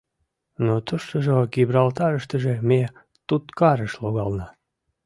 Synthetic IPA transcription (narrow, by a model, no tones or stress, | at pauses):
not̪uʃt̪oʒoɡibrɑlt̪ɑɾəʃt̪əʒeme | t̪ut̪kɑɾəʃloɣɑlnɑ